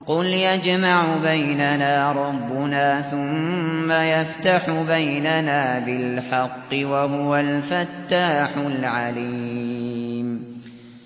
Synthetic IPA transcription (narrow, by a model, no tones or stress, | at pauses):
qʊljad͡ʒmaʕʊbajnanaːɾˤɑbːʊnaːθʊmːajaft̪aħʊbajnanaːbɪlħɑqːɨwaɦʊwalfat̪ːaːħʊlʕaliː | m